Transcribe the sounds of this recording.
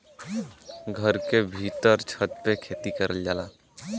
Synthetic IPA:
ɡʱəɾkebʱit̪əɾt͡ʃʰət̪̚pekʰeːt̪ikəɾʔəld͡ʒaːla̰ː

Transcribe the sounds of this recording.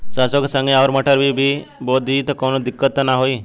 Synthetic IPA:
t͡ʃasoksə̃ŋɡeaʋɾməʈʰəɾbʱibʱiboːit̪əkonod̪ikːət̪ːnaɦoi

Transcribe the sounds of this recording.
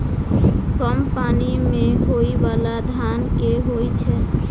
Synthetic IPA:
kɔmpanimeɦoibalad̪ʱankeɦojt͡ʃʰɛ

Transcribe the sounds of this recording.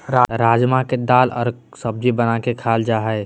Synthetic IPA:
ɾaɾaːd͡ʒmaked̪aːlɔ̰ːɾ | səb̚d͡ʒibənakekʰaːld͡ʒaːɦəe

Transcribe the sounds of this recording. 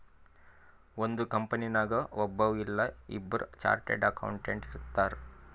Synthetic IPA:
ond̪ukɐmpɐninaːɡɐɔbːɐʋilːɐḭbːɐɾut͡ʃa̰ːɾʈḛɖɐkɐ̰wɳʈeɳʈiɾt̪ːaːɾ

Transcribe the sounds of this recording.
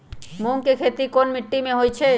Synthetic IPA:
muŋkekʰet̪ikonmiʈːimẽɦojt͡ɕʰe

